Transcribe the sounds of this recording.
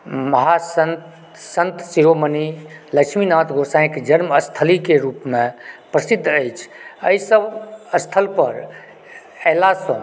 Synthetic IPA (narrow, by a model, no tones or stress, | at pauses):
məɦasən | sə̃nt̪siɾoməniləkʃminãt̪ɡʱosãɪ̃kd͡ʒənməst̪ʰəlikeɾuːpmẽpɾəsid̪ʱːəjt͡ʃʰəisəbəst̪ʰəlpəɾ | ɛlasə̃